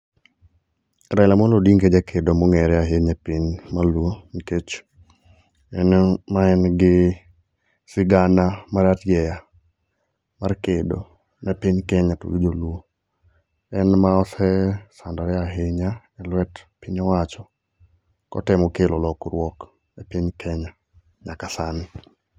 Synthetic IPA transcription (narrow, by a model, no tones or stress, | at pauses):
ɾɛlamolodiŋɡed͡ʒakʰedomoŋɛɾɛaɦeɲapiɲmalwoŋiket͡ʃ | ɛnmaɛnɡɪ | sɪɡanamaɾatjɛja | markedo̰ | nɛpiɲkɛɲato̰ɡɪd͡ʒolwo | ɛnmaɔsɛsandɔɾɛaɦeɲa | ɛlwɛtpiɲɔwat͡ʃɔ | kɔ̰tɛmɔkelɔlɔkɾwɔk | ɛpiɲkʰɛɲa | ɲakasan